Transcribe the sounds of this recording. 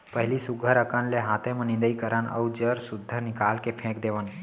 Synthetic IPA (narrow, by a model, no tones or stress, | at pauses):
pəɦɪlisʊɡʱəɾəkənleɦat̪ʰẽmẽnɪ̃nd̪əikəɾənə̰wd͡ʒəɾsud̪ʱːənɪkaːlkepʰẽkd̪eʋən